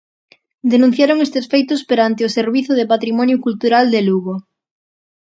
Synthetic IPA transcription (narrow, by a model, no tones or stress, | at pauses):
d̪enũn̟θjaɾoŋest̪esfejt̪ʊspeɾant̪eʊseɾβiθʊðepat̪ɾimɔnjʊkult̪uɾald̪eluɣo